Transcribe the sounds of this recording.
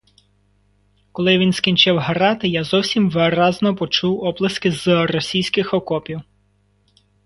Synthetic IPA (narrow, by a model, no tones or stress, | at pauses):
kɔlˠɪʋʲinskʲinʲt͡ʃɪwɦɐɾɑt̪ɪjazɔwsʲimʋɪɾɑznɔpɔt͡ʃuwɔblˠɐskɪzrɔsʲijsʲkɪxɔkɔpʲiw